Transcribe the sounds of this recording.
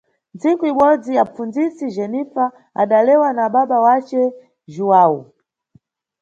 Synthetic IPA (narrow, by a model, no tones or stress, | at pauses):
nt͡siŋkuiɓɔd͡ziap͡fund͡zisiʒɛnifa | a̰ɗalɛwanaɓaɓawat͡ʃɛ | ʒuwaːwu